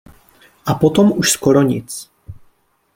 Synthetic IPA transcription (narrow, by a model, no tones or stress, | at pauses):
ʔapot̪omuʃskoɾoɲɪ̰t͡s